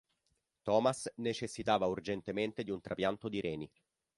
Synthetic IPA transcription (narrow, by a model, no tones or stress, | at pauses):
t̪ɔːmasnet͡ʃesːit̪aːvaurd͡ʒent̪ement̪ed̪iunt̪ɾapjant̪od̪iɾʔɛːni